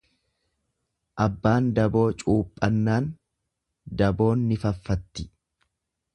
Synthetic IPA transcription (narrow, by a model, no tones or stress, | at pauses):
ʔɐbːaːnd̪ɐbo̞ːt͡ʃʼuːpʼːɐnːaːn | d̪ɐbo̞ːnːɪfɐfːɐt̪ːɪ